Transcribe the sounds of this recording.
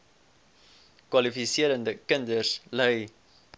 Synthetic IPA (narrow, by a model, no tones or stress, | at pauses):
kwɐlifisiəɾəndəkəndərsləj